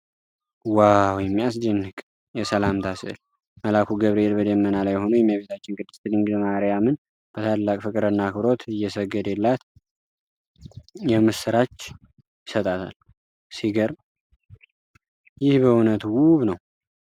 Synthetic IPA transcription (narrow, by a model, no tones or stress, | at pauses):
wawjɛmːijas̬d͡ʒ̪ɪnɨkʼ | jɛsəlamt̪ʰasɨ̰ʔl | məlakʰuɡəβɾelbəd̪əmːənalajho̞nujɛmːjaβet̪ʰat͡ʃːɪnkʼɨd̪ːɨst̪ʰɨd̪ɨŋɡzmaɾijamɨn | b̥ət̪ʰalːakʼfɨkʼɨɾɨnːakʰβɾo̞t̪ɨjːɛsəɡːəd̪elːat̪ | jɛmɨsːɨɾat͡ʃː | jɪsət̪ʼat̪ʰa̰l | siɡəɾ | jɪhbəunət̪wuβnəw